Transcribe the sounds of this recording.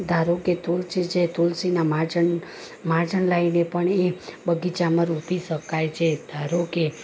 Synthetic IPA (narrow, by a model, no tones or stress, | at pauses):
d̪ʱaɾoket̪ulsit͡ʃʰet̪ulsinamad͡ʒən | maɾd͡ʒənlainepəɳebəɡit͡ʃaməɾupiʃəkajt͡ʃʰed̪ʱaɾoke